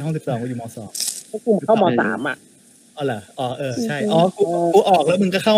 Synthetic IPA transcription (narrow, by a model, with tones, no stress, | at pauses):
ɦɔ˥˩ŋsi˨˩psɔː˩˦kɔː˥˧˩juː˨˩mɔː˧sɔ̰ː˩˦mɔ˦˥ku˨˧˩m˨˩kʰa˥˩wmɔː˧sa̰ː˩˦mʔa̰˨˩ʔ | ʔɔː˧˩la˧˩ʔɔː˧˩ʔɤː˧˩t͡ɕʰa˥˩jʔɔː˧kuː˧uː˧ʔɔː˨˩k̚lɛ˦˥mɯ˧ŋkɔː˥˩kʰa˥˩